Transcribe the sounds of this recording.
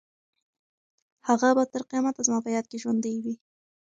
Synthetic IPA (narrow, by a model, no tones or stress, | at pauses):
haɣabat̪əɾqijmat̪azəmɑpəjɑd̪̚keʒwand̪əjwi